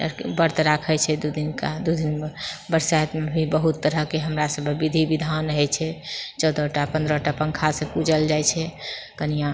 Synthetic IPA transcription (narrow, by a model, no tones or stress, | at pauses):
bəɾt̪ɾakʰɛt͡ʃʰɛd̪ud̪inkad̪ud̪inbəɾsat̪mebʱibəɦut̪ːəɾəɦkeɦəmɾasəbʱbid̪ʱibid̪ʱanɦɛt͡ʃʰɛt͡ʃɔwd̪ɔʈapənd̪ɾəʈapəŋkʰasẽpud͡ʒəld͡ʒajt͡ʃʰɛkənijã